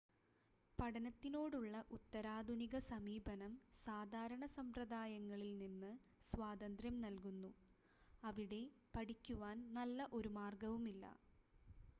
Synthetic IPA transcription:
pɐɽɐnɐt̪ːino̞ːɽuɭːɐʔut̪ːɐɾaːd̪ʱuniɣɐsɐmiːbʱɐnɐmsaːd̪ʱaːɾɐɳɐsɐmprɐd̪aːjɐŋːɐɭilninːɨ | sʋaːd̪ɐnd̪rjɐmnɐlkunːu | ɐʋiɽe̞ | pɐɽikʲːuʋaːnnɐlːɐʔo̞ɾumaːrɡɐʋumilːɐ̰

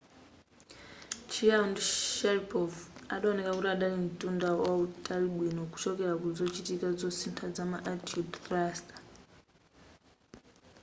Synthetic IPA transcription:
t͡ʃiandʃɛɾipʰɔvaɗaɔnɛkakutiaɗalim̩tʼundawautʼaliɓwinɔku̥t͡ʃɔkɛɾakuzɔt͡ʃitikad͡zɔsintʰad͡zamaʔatudt̪rastḁ

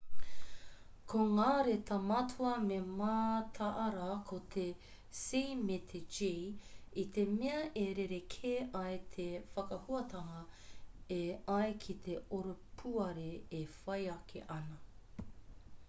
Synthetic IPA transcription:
kʰoŋaːɾet̪ʰɐmɐtʰuɐmemaːt̪ʰɐʔɐɾɐkʰot̪ʰe | sijmet̪ʰed͡ʒeit̪emeɐʔeɾeɾekʰeʔɐjt̪ʰefɐkɐhuɐtʰɐŋɐ | eɐjkʰit̪ʰeoɾopʰuɐɾeːfɐjɐkʰḛʔɐnɐ

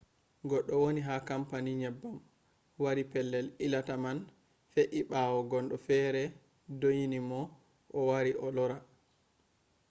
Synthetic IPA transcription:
ɡɔɗːɔwoniɦakampaniɲɛbːam | waɾipɛlːɛlilataman | feʔiɓawɔɡɔnɗɔfɛːɾɛ | dojinimɔ | ʔɔwaɾiʔɔlɔɾa

